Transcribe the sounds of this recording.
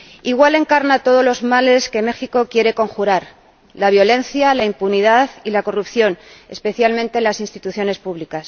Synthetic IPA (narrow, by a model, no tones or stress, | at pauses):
iɣ̞wale̞ŋkaɾnat̪o̞ð̞o̞lo̞zmale̞ske̞me̞xiko̞kje̞ɾe̞ko̞ŋxuɾaɾ | laβ̞jo̞le̞n̟θjalaimpuniðaðilako̞rupθjo̞ne̞̰spe̞θjalmẽ̞nt̪e̞nlasinst̪it̪uθjo̞ne̞spuβlikas